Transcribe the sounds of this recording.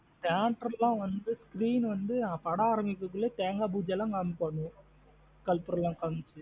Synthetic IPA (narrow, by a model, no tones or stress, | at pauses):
t̪aːʈɾɐlãːʋɐnd̪ɯskɾiːnʋɐnd̪ɯpɐɽaːɾɐmɪkːɯkːɯɭːet̪eːŋɡaːbuːd͡ʒɐlãːkɐmpɐɳːʊ̃ | kɐlpʊɾɐlːãːkɐŋɯt͡ʃːɯ